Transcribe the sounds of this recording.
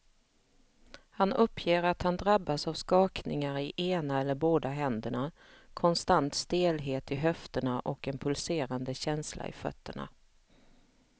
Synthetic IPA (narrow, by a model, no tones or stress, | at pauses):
hanɵpːjeːɾat̪hand̪ɾabːasavskɑːknɪŋaɾɪʔeːnaɛlːəɾboːd̪aɦɛnd̪əɳa | kʰɔnst̪ant̪st̪eːlɦeːt̪ɪɦœft̪əɳaʔɔkɛnpʰɵlseːɾand̪əɕɛnslʔa̰ɪ̰fœ̰t̪ːəɳa̰